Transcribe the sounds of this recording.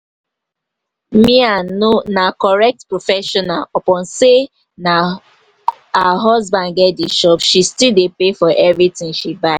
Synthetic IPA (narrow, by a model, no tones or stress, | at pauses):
mĩanonakɔɹɛk̚tpɹofɛʃɔnalɔpɔ̃nse | na | haɦɔzbãnɡɛdiʃɔpʃistildepefɔʔɛvɹitĩŋʃibaɪ